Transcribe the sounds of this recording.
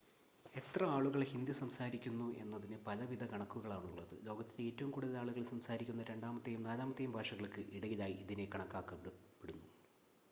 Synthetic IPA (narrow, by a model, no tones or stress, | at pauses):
e̞t̪rɐaːɭuɣɐɭhind̪isɐmsaːɾikʲːunːue̞nːɐðinɨpɐlɐʋid̪ʱɐkɐɳɐkːuɣɐɭaːɳuɭːɐðɨ̰lo̞ːɡɐt̪ːile̞ːtːɐʋumkuɽuðɐlaːɭuɣɐɭsɐmsaːɾikʲːunːɐɾe̞ɳɖaːmɐt̪ːɐjumnaːlaːmɐt̪ːɐjumbʱaːʂɐɣɐɭkːɨʔiɽɐɣilaːjiiðine̞kɐɳɐkːaːkːɐppeɽunːu